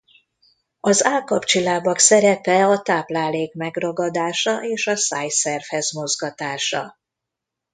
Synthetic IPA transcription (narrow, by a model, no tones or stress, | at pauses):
ɒzaːkɒpt͡ʃilaːbɒksɛɾɛpɛɒt̪aːplaːleːkmɛɡrɒɡɒd̪aːʃɒʔeːʃɒsaːjsɛrfhɛzmo̞zɡɒt̪aːʃɒ̰